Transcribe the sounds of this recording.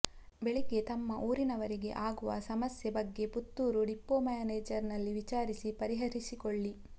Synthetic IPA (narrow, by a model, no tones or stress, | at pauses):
be̞ɭiɡe̞t̪ɐmːɐʔuːɾinɐʋɐɾiɡe̞̰ʔaːɡuʋɐ̰sɐmɐsjɐbɐɡːe̞put̪ːuːɾuɖipːoːmajaːneːd͡ʒɐɾnɐlːiʋit͡ʃaːɾisipɐɾiɦɐɾisikoɭːi